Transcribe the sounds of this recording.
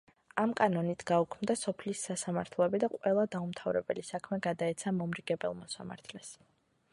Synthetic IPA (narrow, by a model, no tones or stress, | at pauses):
amkʼanɔnit̪ʰɡ̥aukʰmd̪asɔpʰlisːasamaɾt̪ʰlˠɔɛbid̪aqʼwɛlˠad̪aumt̪ʰavɾɛbɛ̰lisakʰmɛɡad̪aɛt̪sʰamɔmɾiɡɛbɛ̰lˠmɔsa̰ma̰ɾt̪ʰlɛs